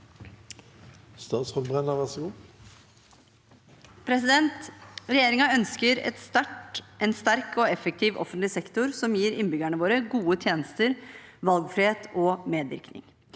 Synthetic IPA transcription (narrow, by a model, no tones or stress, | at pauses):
st̪ɑːt̪sʁɔmbʁɛnɑʋæʁsɔɡuː | pʰɾɛsɪd̪ɛnt̪ɾɛjeːɾɪŋɑœnskəɾɛ̰t̪st̪æʈʔɛnst̪æɾkʰɔɛfək̚t̪ʰiːʋʔɔ̰fənt̪lɪsɛkt̪ʊɾsɔmjiːɾɪnbʏɡæɳəʋoːɾəɡuːət̪ʰjeːnəst̪əɾʋɑlɡfɾɪheːt̪ʰɔmeːd̪ʋɪ̰ɾknɪ̰ŋ